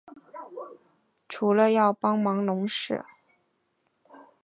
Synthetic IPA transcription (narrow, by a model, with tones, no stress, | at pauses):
ʈ͡ʂʰu˧˥lə˧jɑ˥˩ʊpɑ˥ŋmɑ˧˥ŋlʊ˧˥ŋʂɻ̩˥˩